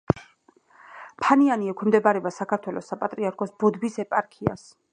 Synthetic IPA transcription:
pʰanianiɛkʰɛmd̪ɛbaɾɛbasakʰaɾt̪ʰwɛlɔsapʼat̪ʼɾiaɾkʰɔsbɔd̪bisɛpʼaɾkʰia̰s

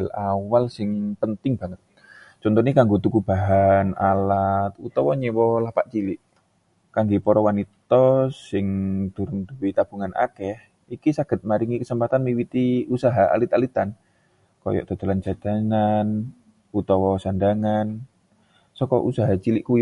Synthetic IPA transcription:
alawalsɪŋpənt̪ɪŋb̥aŋət̪̚ | t͡ʃɔnt̪ɔnikaŋɡot̪ukub̥aɦana̰lat̪̚ut̪ɔwɔɲɛwɔlapaʔt͡ʃilɪʔ | kaŋɡepɔɾɔwanit̪ɔsɪŋd̪̥uɾʊnd̪uwit̪ab̥uŋanʔa̰kɛh | ikisaɡ̥ət̪̚maɾiŋikəsəmpat̪anmiwit̪iusaɦaa̰lit̪alit̪an | kɔ̰jɔ̰ʔt̪o̤d̪əlant͡ʃad̪̥a̤nan | ut̪ɔwɔsandaŋan | sɔkɔ̰ʔusaɦat͡ʃilɪʔkuj

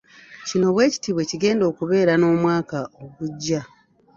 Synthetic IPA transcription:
cino̞βwe̞ːci̥tiβwe̞ciɡe̞ːndo̞ːkuβe̞ːɾano̞ːmwaːkaʔoɡuɟːa

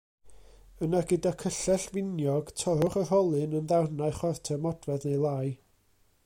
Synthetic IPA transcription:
ənaɡədakʰəɬɛɬvɪnjɔɡ̥tʰɔɾʊχər̥ɔlˠɨnənðawnaɨχwartʰɛmɔd̥wɛðnejlˠaːɨ

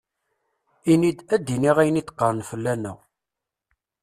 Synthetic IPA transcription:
inid̪æd̪ːiniʁæjənit̪ːqːɑɾˤnfəlːænæ̰

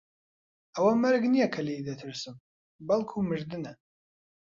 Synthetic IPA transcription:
ɐwɐmɐɾɡnijɐkʰɐled̪ɐt̪ʰɨɾsɨm | bɐlkʰumɨʒd̪ɨnɐ

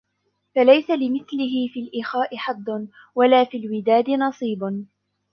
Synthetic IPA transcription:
falajsalɪmɪθlɪɦɪfiːlʔɪxaːʔɪħɑd̪ˤːn | walaːfiːlwɪd̪aːd̪ɪnɑsˤiːb

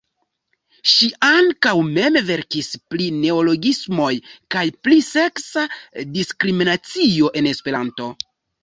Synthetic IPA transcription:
ʃiʔaŋkawme̞mve̞ɾkispline̞olo̞ɡismo̞jkajplise̞ksadiskɾiminat͡sio̞ʔe̞ne̞spe̞ɾanto̞

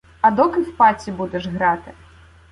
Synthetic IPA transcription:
ɐd̪ɔkɪwpat͡sʲːibud̪ɛʐɣɾat̪ɪ

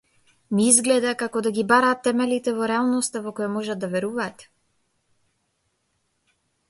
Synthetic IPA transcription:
miizɡlɛd̪akakɔd̪aɡibaɾaːt̪ːɛmɛlit̪ɛvɔɾɛalˠnɔst̪avɔkɔjamɔʒad̪d̪avɛɾuvaːt̪

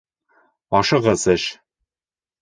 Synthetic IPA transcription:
ɒʃɤʁɤsɘʃ

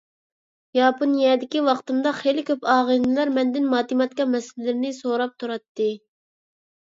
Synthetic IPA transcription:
jɑːponjɛːd̪ɪkʲiwɑqt̪ɨnd̪ɑχelɪkʲʰøpɑːʁənɨlˠɑɾmɛnd̪ɪnmɑːt̪imɑt̪kɑmɛsɪlɪlɪɾɪnɪsoɾɑp̚t̪ʰuɾɑt̪ːɨ

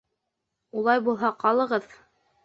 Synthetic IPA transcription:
ulˠɑjbulˠɦɑqɑlˠɤ̆ʁɤð

